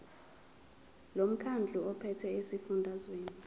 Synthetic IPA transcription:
lom̩kʰand͡ɮʱuɔpʰɛtʰɛesifundʱazweːni

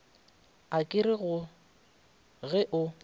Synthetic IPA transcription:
akʼɪɾɪɣʊ | ɣɛʔʊ

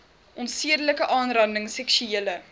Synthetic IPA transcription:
ʔɔntsiədələkəʔɑːnrɐndəŋsɛkʃyeːlə

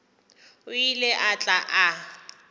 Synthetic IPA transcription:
ʊilɛʔat͡ɬʼaʔa

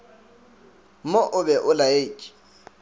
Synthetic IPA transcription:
moʔʊbɛʔʊlaekʼi̥

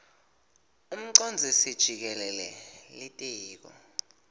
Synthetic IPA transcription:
um̩ǀɔnd͡zʱisid̥ʒ̥ʱik̬ɛlɛlɛ̰litʼeːk̬ɔ̰

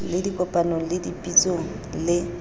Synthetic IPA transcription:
lɪdikʼɔpʼanɔlɪdipʼit͡sʼoŋ̩ | lɪ

